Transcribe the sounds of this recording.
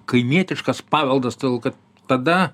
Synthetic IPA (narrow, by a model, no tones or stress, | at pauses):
kɐɪmʲiɛt̪ʲɪʃkɐspɑːʋʲɛlˠd̪ɐst̪ɐd̪ʲɛlˠkɐt̪ | t̪ɐd̪ɐ